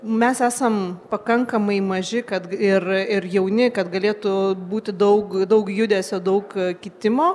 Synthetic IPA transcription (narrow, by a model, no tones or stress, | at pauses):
mʲɛsæːsɐmpɐkɐŋkɐmɐɪmɐʒʲɪkɐt̪ɪrɪrjɛʊnʲɪkɐt̪ɡɐlʲeːt̪ʊbuːt̪ʲɪd̪ɐʊkd̪ɐʊkjʊd̪ʲɛːsʲoːd̪ɐʊkkʲɪt̪ʲɪmoː